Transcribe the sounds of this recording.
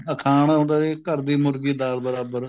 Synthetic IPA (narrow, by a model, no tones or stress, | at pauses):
əkʰaːñaːɦõːnd̪aːd̪eːkəɾd̪iːmʊɾɡiːd̪aːɾbəɾaːbəɾ